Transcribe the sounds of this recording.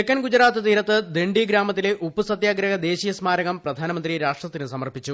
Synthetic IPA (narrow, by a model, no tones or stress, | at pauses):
ekːɐnɡud͡ʑɐɾaːt̪ːɨt̪iːɾɐt̪ːɨd̪eɳɖiɡɾaːmɐt̪̬ːileʔupːɨsɐt̪jaːɡɾɐɦɐd̪e̞ːɕijɐsmaːɾɐɣɐmprɐd̪ʱaːnɐmɐnd̪riɾaːʂʈrɐt̪ːinɨsɐmɐrpit͡ɕːu